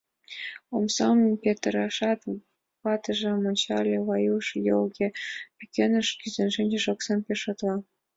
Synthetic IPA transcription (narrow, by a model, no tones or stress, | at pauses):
omsɑmpʲet̪rɑʃɑt̪ | pɑt̪ɤ̆ʒĕmŏnʲt͡ɕɑlʲeβɑjuʃjolɡʲepʲikʲenə̆ʃkʲyzʲenʒɘnʲd͡ʑĕʒoksɑmpʲeʃot̪lˠɑ